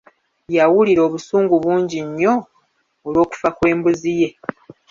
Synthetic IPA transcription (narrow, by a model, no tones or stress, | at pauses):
jawuliɾo̞ːβusuːŋɡuβuːɲɟiɲːo̞ | olwo̞ːku̥fakwe̞ːmbuzije̞